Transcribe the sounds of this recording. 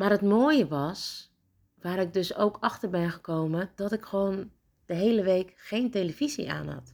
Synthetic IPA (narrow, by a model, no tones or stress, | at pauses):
maːrət̚moːəjəʋɔs | ʋaːɾɪɡ̚døso̰wkʰɑxtərbɛnɣəkoːməd̥ɔtɪkxəʋoːn | d̥əɦejləʋeːkxeːnteləv̥izḭʔa̰ːnhɔ̰t